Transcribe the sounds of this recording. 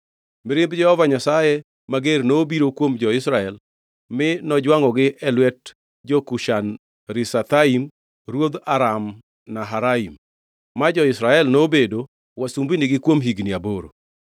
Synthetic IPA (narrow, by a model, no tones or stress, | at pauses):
mɪɾɪmbd͡ʒɛhɔvaɲasaje | maɡernoːbiɾokwomd͡ʒɔɪsɾaɛl | mɪnɔd͡ʒwaŋɔɡɪʔɛlwɛt̚ | d͡ʒokuʃan | ɾɪsat̪aim | rwod̪aɾam | naɦaɾaim | mad͡ʒɔɪsɾaɛlnobedo | wasumbinɪɡɪkwomɦiɡnɪaboɾo̰